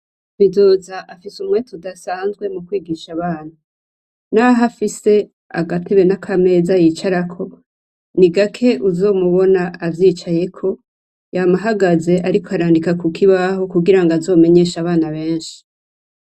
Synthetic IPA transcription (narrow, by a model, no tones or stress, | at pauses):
βido̞ːzaʔafisumŋe̞tudasaːnzɡwe̞mukwiːɡiːʃaβaːnu | naɦafise̞ | a̰ɡatiβenakʰame̞ːzajit͡ʃaɾakʰo̞ | niɡakʰe̞ʔuzo̞ːmuβo̞naːvjiːt͡ʃaje̞kʰo̞ | jamaɦaɡaze̞ʔaɾiko̞aɾaːndikakukʰiβaɦo̞kuɡiɾaŋɡazo̞ːme̞ɲe̞ːʃaβaːnaβe̞ːnʃi̥